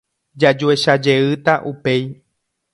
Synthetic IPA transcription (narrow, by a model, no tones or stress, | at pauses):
d͡ʒad͡ʒue̞ʃad͡ʒe̞ɨt̪aʔupe̞j